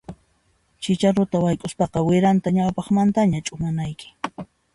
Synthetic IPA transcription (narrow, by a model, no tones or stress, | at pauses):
t͡ʃɪt͡ʃaɾʊt̪awajkʼʊspɑqɑwɪɾant̪aɲawpɑχmant̪aɲat͡ʃʼʊmanajkɪ̥